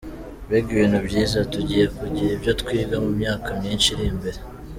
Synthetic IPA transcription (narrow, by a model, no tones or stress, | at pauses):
βeɡiβiːnhubɟiːzatuɟije̞kuɟiɾibjo̞tkwiːɡamumɲaːkamɲiːnʃiɾimbeɾe